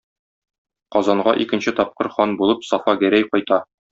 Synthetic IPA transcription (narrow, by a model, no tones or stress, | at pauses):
qɒzɑɴɢɑʔikɘ̆nɕɘt̪ɒp̚qɤɾχɒnbulˠɤpsɒfɑɡæɾæjqɒjt̪ɑ